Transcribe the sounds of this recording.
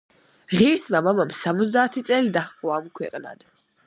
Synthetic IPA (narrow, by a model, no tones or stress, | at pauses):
ʁiɛɾsʰmamamamsamɔt̪zd̪aːt̪ʰit̪sʼɛlid̪aχʼɔaːmkʰwɛ̰qʼna̰d̪̥